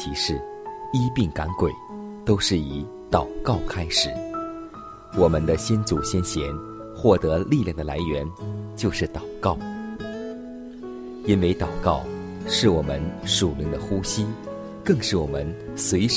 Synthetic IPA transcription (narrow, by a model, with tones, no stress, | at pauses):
i˧˥ʂɻ̩˥˩ | i˥pi˥˩ŋka˧˥nkwe˨˩˦ɪt̪o˥ʊʂɻ̩˥˩i˧˥ | t̪ɑ˨˩ʊkɑ˥˩ʊkʰa˥ɪʂɻ̩˨˦ | wɔ˨˩mə˦nd̪ə˧ɕjɛ˥nt͡su˨˩ɕjɛ˥nɕjɛ˧˥n | xwɔ˥˩t̪ɤ˧˥li˥˧ljɑ˥˩ŋd̪ə˩la˧˥ɪɥɛ˧˥nt͡ɕjo˥˧ʊʂɻ̩˥˩t̪ɑ˨˩ʊkɑ˥˩ʊ | i˥nwe˧˥˩ɪt̪ɑ˨˩ʊkɑ˥˩ʊ | ʂɻ̩˥˩wɔ˨˩mə˧˦nʂu˨˩li˧˥ŋd̪ə˧xu˥ɕi˥ | kɤ˥˧ŋʂɻ̩˥˩wɔ˨˩mə˧˦n | swe˧˥ɪ